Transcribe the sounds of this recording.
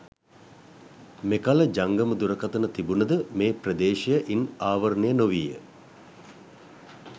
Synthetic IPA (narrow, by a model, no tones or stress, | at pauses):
mekaləd͡ʒaŋɡəməd̪uɾəkat̪ənət̪ibunəd̪əmeːprəd̪eːʃejəʔinaːʋɐrnejənoʋiːjə̰